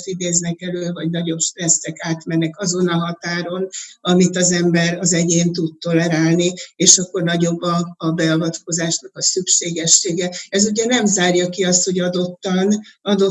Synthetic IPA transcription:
t̪id̪eːznɛkɛløːvɒɟnɒɟo̞pʃt̪rɛsːɛkaːt̪mɛnːɛkɒzo̞nɒɦɒt̪aːɾo̞nɒmit̪ɒzɛmbɛɾɒzɛɟeːnt̪ut̪̚t̪o̞lɛɾaːlnieːʃɒkːo̞rnɒɟo̞bːɒːbɛɒvɒt̪ko̞zaːʃnɒkɒsykʃeːɡɛʃːeːɡɛɛzuɟɛnɛmzaːrjɒkiɒst̪ho̞ɟɒd̪o̞t̪ːɒnɒd̪o̞

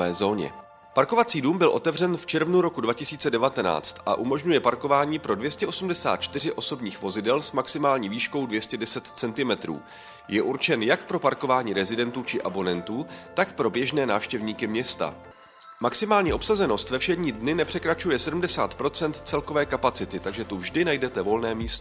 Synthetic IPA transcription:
ɛːzo̞ːɲɛ̰ | paɾko̞vat͡siːduːmbɪlʔo̞t̪ɛvrɛnft͡ʃɛɾvnuɾo̞kudvacɪsiːt͡sɛdɛvat̪ɛna̰ːt͡st̪ʔa̰ʔumo̞ʒɲujɛpaɾko̞vaːɲiːpɾo̞dvjɛscɛʔo̞sumdɛsa̰ːt̪̚t͡ʃt̪ɪr̝ɪʔo̞so̞bɲiːxvo̞zɪdɛlsmaksɪmaːlɲiːviːʃko̞wdvjɛscɛdɛsɛt̪t͡sɛnt̪ɪmɛt̪ɾṵː | jɛʔuɾt͡ʃɛnjakpɾo̞paɾko̞vaːɲiːɾɛzɪdɛnt̪uːt͡ʃɪʔabo̞nɛnt̪uːt̪akpɾo̞bjɛʒnɛːnaːfʃcɛvɲiːkɪmɲɛst̪a̰ | maksɪmaːlɲiːʔo̞psazɛno̞st̪vɛfʃɛdɲiːdnɪnɛpr̥ɛkɾat͡ʃujɛsɛdumdɛsa̰ːt̪pɾo̞t͡sɛnt̪t͡sɛlko̞vɛːkapat͡sɪt̪ɪt̪aɡʒɛt̪uvʒdɪnajdɛt̪ɛvo̞lnɛːmiːst̪o

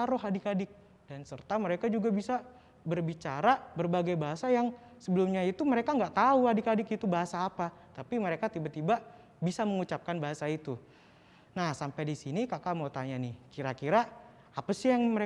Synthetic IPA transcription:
aɾʊɦadikadɪk̚ | d̥ansərt̪aməɾekad͡ʒuɡabisa | bərbit͡ʃaɾabərbaɡajbaɦasajaŋ | səbəlumɲait̪uməɾekaŋɡaʔt̪auɦadikadɪkit̪ubaɦasaːpat̪apiməɾekat̪ibat̪iba | bisaməŋut͡ʃap̚kanbaɦasait̪u | nahsampajdisinikakamaut̪aɲanɪhkiɾakiɾaː | pasɪjaŋməɾe

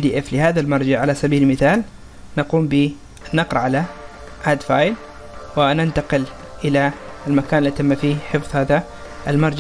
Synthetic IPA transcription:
d̪iːʔɛflɪhaːðalmɑɾˤd͡ʒaʕalasabiːllmɪθaːl | naquːmbɪ | nːɑqɾˤɑʕala | ʔad̪faːjl | wɪnɪnt̪aqɪl | ʔɪlaɪlmakaːnɪlːiːt̪amːafiːħɪfðˤhaːða | ɪlmɑɾˤd͡ʒa

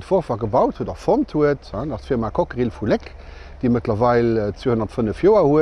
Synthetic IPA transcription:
tfoʁfaːɡəbɑʊthuədɔfonthuəthãdɑsfiːmaːkʰokəʁilfulek | d̥eːmətlɐvɑɪlt͡sweːhonɐtfənəfjoːɐhuə

